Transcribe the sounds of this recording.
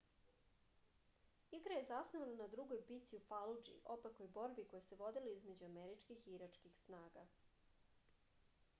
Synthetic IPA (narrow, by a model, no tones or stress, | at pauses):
iɡɾaje̞zasnoʋananad̪ɾuɡojbit̪siufalud͡ʒḭʔo̞pakojbo̞ɾbiko̞jese̞ʋo̞d̪iloizme̞d͡ʑuameɾit͡ʃkixiɾat͡ʃkixsnaːɡa